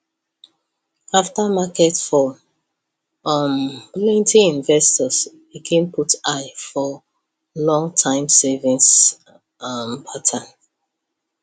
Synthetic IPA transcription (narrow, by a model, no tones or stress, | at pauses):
aftamakɛtfɔ | ʌmplɛ̃ntʰiĩnvɛstɔs | biɡʰɛ̃nputaɪfɔ | lɔ̃ŋtʰãɪ̃msɛvĩns | ʌmpʰatʰãn